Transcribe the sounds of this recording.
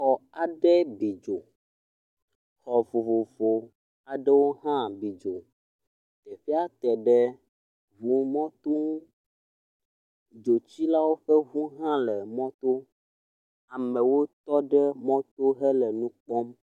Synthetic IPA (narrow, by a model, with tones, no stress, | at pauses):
xɔ˨a˨ɖɛ˦bi˨d͡ʒo˨ | xɔ˨vo˨vo˨vo˨ | a˨ɖɛ˦wo˦ɦã˦bi˨d͡ʒo˨ | t̪ɛ˨ɸi˦a˦t̪ɛ˨ɖɛ˦ | vu˨mɔ̃˦t̪o˦ŋu˦ | d͡ʒo˨t͡ɕi˦la˦wo˦ɸɛ˦vu˦ɦã˦lɛ˨mɔ̃˦t̪o˦ | a˨mɛ̃˨wo˦t̪ɔ˦ɖɛ˦mɔ̃˦t̪o˦ɦɛ˦lɛ˨nũ˦k͡pɔ˦m